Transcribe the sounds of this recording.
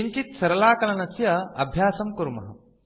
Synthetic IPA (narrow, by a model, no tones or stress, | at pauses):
iŋkit̪̚sɐɾɐlaːkɐlɐnɐsjɐɐ̰bʱjaːsɐmkuɾmɐ̰ɦɐ